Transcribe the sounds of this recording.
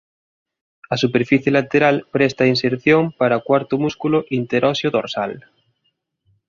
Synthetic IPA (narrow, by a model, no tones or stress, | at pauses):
asupeɾfiθjelat̪eɾalpɾest̪ainseɾθjoŋpaɾakwaɾt̪omuskuloʔint̪eɾɔsjoðoɾsa̰l